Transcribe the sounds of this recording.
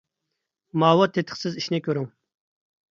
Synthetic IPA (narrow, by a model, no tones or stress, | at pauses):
mɑːwɑt̪ʰet̪ʰə̥χsɪziʃnɪkʲʰøɾyŋ